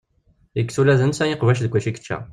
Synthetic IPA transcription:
əkːsulæðənsæjiqvæʃ̬ðəɡʷæʃikt͡ʃːæ̰

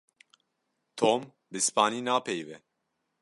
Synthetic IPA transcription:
t̪ʰoːm | bɨspaːniːnaːpʰɛjvɛ

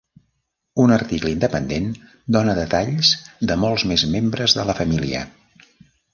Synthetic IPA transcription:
unərt̪ikləind̪əpənd̪en | d̪onəðət̪aʎzd̪əmolˠzmezmembɾəzðələfəmiliə̰

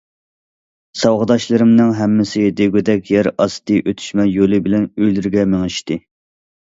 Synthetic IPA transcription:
sɑwʁɨd̪ɑʃlˠɨɾɨmnɨŋɦɛmːɪsɪd̪ɪɡʲød̪ɛkʲjɛɾɑst̪ɨʔøt̪ʰy̥ʃmɛjolˠɨbɪlɛnøjlyɾɡʲɛmeŋɪʃt̪ɪ

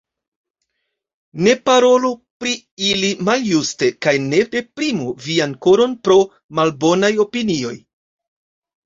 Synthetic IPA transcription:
ne̞paɾo̞lupɾi | ilimaljuste̞kajne̞de̞pɾimuvianko̞ɾo̞npɾo̞ | malbo̞najo̞pinio̞̰j

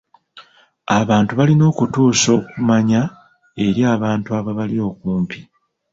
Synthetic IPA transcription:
aβaːntuβalino̞ːkutuːso̞ːkumaɲa | e̞ɾjaːβaːntuaβaβalio̞ːkuːmpi

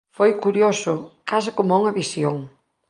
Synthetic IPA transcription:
fojkuɾjosʊkas̬ɪkomuŋɐβisjoŋ

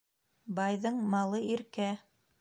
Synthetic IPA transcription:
bɑjðɤɴmɑlˠɤiɾkæ

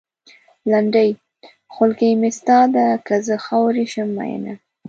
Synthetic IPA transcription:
laɳɖəj | xʊlkejmɪst̪ɑd̪akazəxɑwɾiʃəmːa̰j̰na

